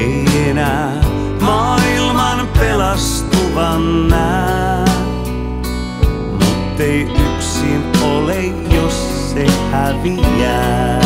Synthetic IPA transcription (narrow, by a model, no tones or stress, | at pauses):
eienæː | mɑːilmɑnpelɑs | t̪uʋɑnːæ | mut̪ːeiyksinole | josː | ehæʋiæː